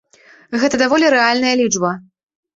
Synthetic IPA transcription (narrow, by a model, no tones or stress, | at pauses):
ɣɛt̪ɐd̪avɔlʲiɾɛalʲnɐjɐlʲid͡ʐbɐ